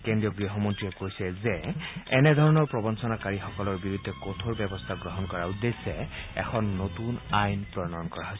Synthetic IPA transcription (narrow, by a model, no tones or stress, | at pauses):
kendɹiɔɡɹiɦɔmɔntɹiɛkojsɛzɛɛnɛd̪ʱɔɹɔnɔɹpɹɔbɔnsɔnakaɹixɔkɔlɔɹbiɹud̪ʱɛkotʰoɹbɛbɔst̪ʰaɡɹɔɦɔnkɔɹaud̪ːesɛɛ̰xʰɔnːotunajnpɹɔnɔnkɔɹaɦojs